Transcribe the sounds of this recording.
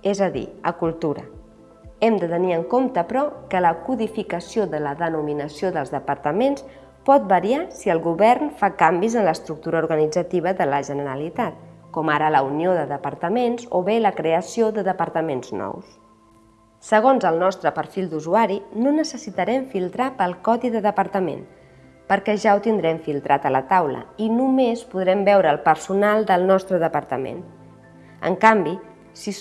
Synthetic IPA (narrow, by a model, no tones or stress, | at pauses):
ezəðḭəkulˠt̪uɾə̰ | ɛmd̪ət̪əniəŋkomt̪əpɾɔkələkuðifikəsioðələðənuminəsioðəlˠzðəpəɾt̪əmens | pɔt̪̚bəɾiasiəlˠɣuβɛrnfakambizənləst̪ɾuk̚t̪uɾəuɾɣənid͡zət̪iβ̞əðələʒənəɾəlit̪at̪̚kɔmaɾələunioðəðəpəɾt̪əmenzo̰βeləkɾeəsioðəðəpəɾt̪əmenznɔ̰ws | səɣ̞onzəlˠnɔst̪ɾəpəɾfilˠd̪uzuaɾinonəsəsit̪əɾɛmfilˠt̪ɾapəlˠkɔðiðəðəpəɾt̪əmḛn | pəɾkɛʒawt̪ind̪ɾɛmfilˠt̪ɾʔat̪ələt̪awlə̰inumespuðɾɛmbɛwɾəːlˠpəɾsunalˠd̪əlˠnɔst̪ɾəðəpəɾt̪əmḛn | ə̰ŋkambi | sis